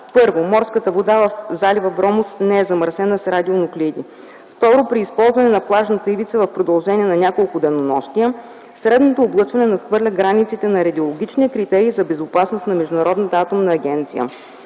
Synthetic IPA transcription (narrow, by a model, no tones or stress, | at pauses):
pɤɾvomɔɾskət̪əvod̪avɐfzalʲivɐbɾɔmʊsnɛɛzɐməɾsɛnəsɾad̪ionʊklʲid̪i | ft̪ɔɾʊpɾiːspɔlˠzvɐnɛnɐplˠaʒnət̪əivit̪səvɐfpɾod̪ɐlˠʒɛniɛnɐnʲakolˠkʊd̪ɛnonɔʃt̪ijə | sɾɛd̪not̪oːblˠɤt͡ʃvɐnɛnɐt̪xvɤɾlʲəɡɾanit̪sit̪ɛnɐɾɐd̪iolˠoɡʲit͡ʃniɛkɾit̪ɛɾiːzɐbɛzʊpasnosnɐmɛʒd̪ʊnɐɾɔd̪nət̪əat̪omnɐːɡʲɛnt̪sijə̰